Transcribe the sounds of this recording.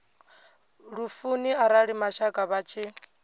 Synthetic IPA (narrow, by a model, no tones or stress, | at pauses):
ɺufuniaɾaɺimaʃakʼaβat͡ʃʰi